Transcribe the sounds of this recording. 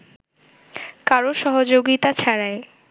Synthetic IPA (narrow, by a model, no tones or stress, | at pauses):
kaɾoʃɔɦod͡ʑoɡit̪at͡ɕʰaɾae